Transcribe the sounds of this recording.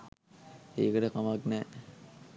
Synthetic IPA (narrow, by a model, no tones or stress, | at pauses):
eːkəʈəkamaknɛ